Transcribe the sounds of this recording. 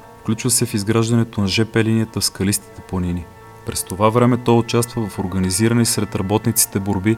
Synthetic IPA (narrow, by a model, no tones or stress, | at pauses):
fklʲut͡ʃvəsɛfizɡɾaʒd̪ɐnɛt̪onɐʒɛpɛliniət̪əfskɐlist̪i̥t̪ɛplˠɐnini | pɾɛst̪ovavɾɛmɛt̪ɔjot͡ʃast̪vəvɐfoɾɡəniziɾənisɾɛt̪ɾɐbɔt̪nit̪si̥t̪ɛboɾbi